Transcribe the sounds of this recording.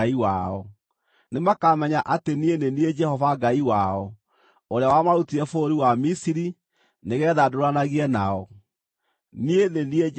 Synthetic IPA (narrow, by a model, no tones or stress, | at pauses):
iwaɔ | nemakaːmɛɲaʔatenienenied͡ʒɛhɔvaɡaiwaɔ | oɾeawamaɾutiɾɛfoɾiwamisiɾi | neɣɛːðadoɾanaɣiɛnaɔ | nienenie